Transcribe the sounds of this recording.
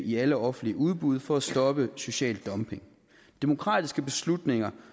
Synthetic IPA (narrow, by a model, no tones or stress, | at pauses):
ʔiæləɒ̽fn̩dliəuð̞ˠb̥uð̞ˠfɒ̽æsd̥ɒ̽b̥əso̝ɕɛ̰ːld̥ːɒ̽mpʰe̝ŋ | d̥e̝mo̝kʰʁɑ̰̈ːd̥isɡ̥əb̥e̝slud̥ne̝ŋɐ